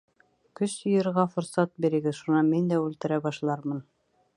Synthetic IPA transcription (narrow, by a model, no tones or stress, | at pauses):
kɵsjɤ̆jɤ̆ɾʁɑfŏɾsɑt̪̚biɾɘ̆ɡɘðʃunɑmind̪æʉlt̪ɘ̆ɾæbɑʃlˠɑɾmɤn